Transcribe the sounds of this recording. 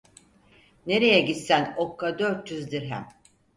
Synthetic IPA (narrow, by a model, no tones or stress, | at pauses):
ne̞ɾe̞jɛɟit̪sænokːad̪øɾt̪̚d͡ʒyzd̪iɾɦæ̰m